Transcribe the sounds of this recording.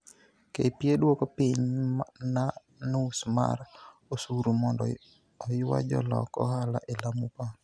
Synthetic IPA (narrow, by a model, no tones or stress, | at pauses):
kepjedwokɔpiɲna | nusma̰rosuɾumɔndɔ | ɔjɪwa̰d͡ʒɔ̰lɔ̰kɔhalaʔelamupa